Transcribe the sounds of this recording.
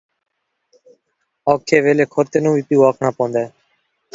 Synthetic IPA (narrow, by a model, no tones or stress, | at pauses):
ɔːkʰːeːʋeːleːkʰoɾt̪eːnũːʋiːpiːʋaːkʰɳãːpɔ̃ːnd̪ɛː